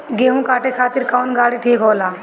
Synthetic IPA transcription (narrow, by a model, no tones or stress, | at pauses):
ɡeːɦũkaːʈekʰaːt̪ɪɾkaːnɡaːɽiʈʰiːkɦoːlaː